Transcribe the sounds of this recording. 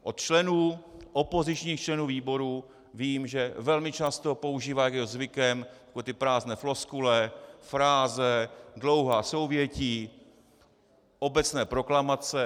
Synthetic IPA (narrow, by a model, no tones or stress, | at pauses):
ʔo̞t̪t͡ʃlɛnuːʔopo̞zɪt͡ʃɲiːxt͡ʃlɛnuːviːbo̞ɾu | viːmʒɛvɛlmɪt͡ʃast̪o̞po̞uʒiːvaːjaɡɛozvɪkɛmjakoɛːt̪ɪpɾaːznɛːflo̞skulɛfɾaːzɛdlo̞wɦaːso̞wvjɛciː | ʔo̞bɛt͡snɛːpɾo̞klamat͡sɛ